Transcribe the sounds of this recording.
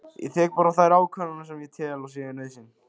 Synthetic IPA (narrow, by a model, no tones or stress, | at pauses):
jɛ̰θɛːk̚paːɾaθajɾaːwkʰvananasɛmjɛt̪ʰɛːlɔsɛːjɪneðsɪn